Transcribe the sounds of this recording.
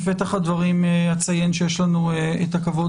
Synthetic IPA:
ve̞t̪aχad̪vaʁimehat͡saje̞nʃejeʃlanueet̪akavo̞

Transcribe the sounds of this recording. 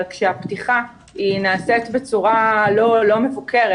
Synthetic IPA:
lkʃeaptiχa | inaːsetbe̞t͡suʁalo̞lo̞me̞vukeʁe

